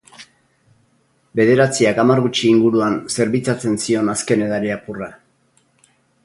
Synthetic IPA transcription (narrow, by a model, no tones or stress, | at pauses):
be̞ð̞e̞ɾat͡siakamarɣut͡ʃiːŋɡuɾuanse̞ɾβit͡sat͡se̞nsio̞naske̞ne̞ðaɾeapura